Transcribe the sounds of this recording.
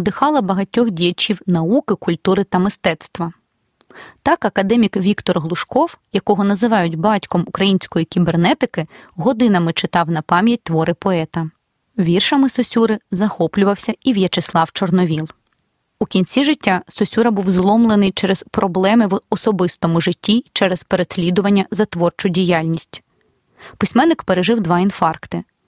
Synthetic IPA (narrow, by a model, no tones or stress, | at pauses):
d̪ɪxɑlˠɐbɐɦɐtʲːɔxdʲijɐt͡ʃʲiwnɐukɪkʊlʲt̪uɾɪt̪ɐmɪst̪ɛt̪st̪ʋɐ | t̪ɑkɐkɐd̪ɛmʲikʋʲikt̪ɔrɦlˠʊʃkɔwjɐkɔɦɔnɐzɪʋɑjʊdʲbɑtʲkɔmukɾɐjinʲsʲkɔjikʲibernɛt̪ɪkɪɦɔd̪ɪnɐmɪt͡ʃɪt̪ɑwnɐpɑmʲjɐt̚ʲt̪ʋɔɾɪpɔɛt̪ɐ | ʋʲirʃɐmɪsɔsʲuɾɪzɐxɔplʲʊʋɐwsʲɐiʋjɛt͡ʃɪslˠɑwt͡ʃɔrnɔʋʲilˠ | ukʲinʲt͡sʲiʒɪtʲːasɔsʲuɾɐbuwzlˠɔmlˠenɪjt͡ʃɛɾezpɾɔblˠɛmɪʋɔsɔbɪst̪ɔmʊʒɪtʲːit͡ʃɛɾɛspeɾesʲlʲid̪ʊʋɐnʲːɐzɐt̪ʋɔrt͡ʃʊdʲijɑlʲnʲisʲtʲ | pɪsʲmɛnːɪkpeɾeʒɪwd̪ʋɑin̪fɑrkt̪ɪ